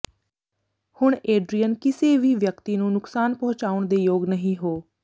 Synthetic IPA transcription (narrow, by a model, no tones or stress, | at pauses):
hʊɳeːɖɾijənkɪseːʋiːʋjəkt̪iːnũːnʊksaːnpəɦʊt͡ʃaːʊɳd̪eːjoːɡnəɦĩːɦoː